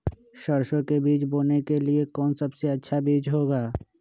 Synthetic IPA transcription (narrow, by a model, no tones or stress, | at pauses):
ʃɐɾʃõkebiːt͡ʃboːnekeliekɔːnsɐbseɐtːʃʰabiːd͡ʒɦoːɡaː